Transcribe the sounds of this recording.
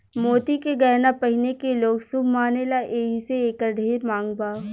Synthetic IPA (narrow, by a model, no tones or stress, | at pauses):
moːt̪ikeɡɛːnapɐɦɪnekeloːɡsʊbʱmaːnelaʔeːɦiseeːkəɾɖʱeːɾmãːŋɡbaː